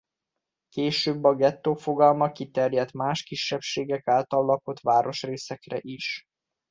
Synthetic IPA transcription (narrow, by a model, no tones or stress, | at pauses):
keːʃøːbːɒɡɛt̪ːoːfo̞ɡɒlmɒkit̪ɛrjɛt̪maːʃkiʃːɛpʃeːɡɛkaːlt̪ɒlːɒko̞t̪ʋaːɾo̞ʃreːsɛkrɛ̰ʔiʃ